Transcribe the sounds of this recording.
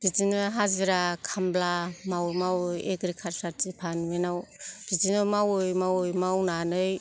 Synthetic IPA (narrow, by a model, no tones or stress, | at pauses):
b̥izinɯɦaziɾakʰamblamawmawjeɡɾikʰaɾsat̚zipʰanmenawb̥izinɯmawɯjmawɯjmawnanɯj